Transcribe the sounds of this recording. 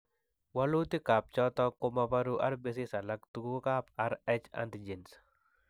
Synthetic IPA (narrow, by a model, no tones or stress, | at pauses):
wɐluːt̪ɪkaːp̚t͡ʃɔt̪ɔkːʊmɐpɐɾuːʔɐɾbɪs̬ɪsɐlɐkt̪uukaːpɐɾɛt͡ʃɐ̰nt̪ɪd͡ʒɪns